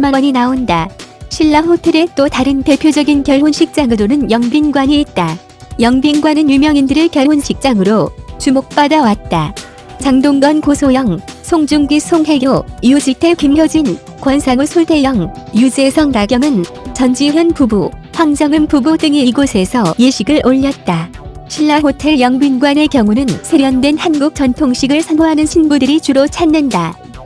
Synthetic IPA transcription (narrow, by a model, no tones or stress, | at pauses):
maʌɲinaondaɕʰiɭːaɸotʰe̞ɾe̞t͈otaɾɯnte̞pʰjod͡ʑʌɡinkjʌɭɦonɕʰik̚t͡ɕ͈aŋɯɾonɯnjʌŋbinɡwaɲiet̚t͈a | jʌŋbinɡwanɯnjumjʌŋindɯɾɯkjʌɭɦonɕʰik̚t͡ɕ͈aŋɯɾot͡ɕumok̚p͈adawat̚t͈a | t͡ɕaŋdoŋɡʌnkosʰojʌŋsʰoŋd͡ʑuŋɡisʰoŋɦe̞ɡjʌiud͡ʑitʰekimɡʌd͡ʑin | kwʌnsʰaŋɯɭsʰuɭtʰejʌŋjud͡ʑe̞sʰʌŋɾaɡjʌŋɯn | t͡ɕʌnd͡ʑiɦjʌnpubu | ɸwaŋd͡ʑʌŋɯnpubudɯŋiiɡosʰe̞sʰʌjeɕʰiɡɯɭʔoʎːʌt̚t͈aɕʰiɭːaɦotʰe̞ɭjʌŋbinɡwane̞kjʌŋunɯnsʰeɾjʌndwe̞nhanɡuk̚t͡ɕʌntʰoŋɕʰiɡɯɭsʰʌnmoɦanɯnɕʰinbudɯɾit͡ɕuɾot͡ɕʰanːɯnda